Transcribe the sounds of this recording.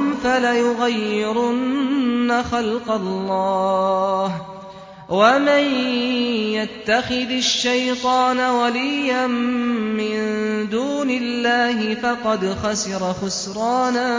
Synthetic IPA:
falajʊɣajːɪɾʊnːaxalqɑlːɑːh | waman | jat̪ːaxɪðaʃːajt̪ˤɑːnawalijːanmɪnnd̪uːnɪlːaːɦɪfɑqɑd̪xasɪɾˤɑxʊsɾˤɑːna

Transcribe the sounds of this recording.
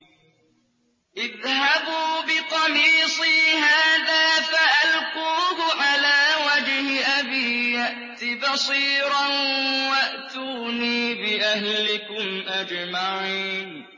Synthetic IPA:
ʔɪðhabuːbɪt̪ˤɑmiːsˤiːhaːðaːfaʔalquːɦʊʕalaːwad͡ʒhɪʔabiːjaʔt̪ibɑsˤiːɾanwaʔt̪uːniːbɪʔahlɪkʊmʔad͡ʒmaʕiːn

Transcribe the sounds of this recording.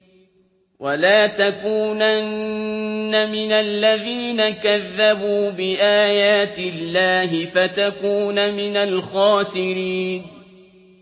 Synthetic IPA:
wʔalaːt̪akuːnannː | amɪnalːaðiːnakaðːabuːbɪʔaːjaːt̪ɪlːaːɦɪfat̪akuːnamɪnalxɑːsɪɾiːn

